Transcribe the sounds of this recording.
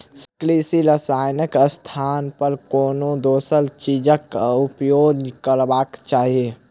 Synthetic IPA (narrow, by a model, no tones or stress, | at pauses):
sklisiləsaːjnəkəst̪ʰaːnpəɾkoːnod̪oːsəlt͡ʃid͡ʒəkupjoːɡkəɾbaːkt͡ʃaːɦie